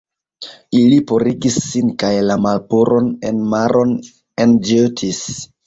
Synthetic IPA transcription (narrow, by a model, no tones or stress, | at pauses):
ilipo̞ɾiɡisːinkajlamalpuɾʔo̞nenmaɾʔo̞n | end͡ʒøtʰis